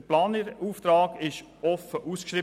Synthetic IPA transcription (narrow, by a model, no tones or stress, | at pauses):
plɑːnəɾuːft̪ɾɑːɡɪʃ | ɔfəʔuːskʃɾiː